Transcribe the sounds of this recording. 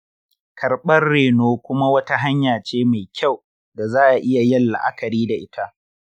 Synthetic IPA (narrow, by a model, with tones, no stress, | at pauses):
kʰɐ˨ɾɓɐ˦rːeː˨noː˦kʷʊ˦ma˦wɐ˦ta˦ɦa˦ɲjaː˨t͡ʃeː˦ma˨jkʲʰa˦˨w | da˨zaː˦ʔa˨ʔɪ˦ja˨jɐ˦lːa̰˨ʔa̰˦kɐ˨ɾiː˦da˨ʔɪ˦tʰa˦ʔ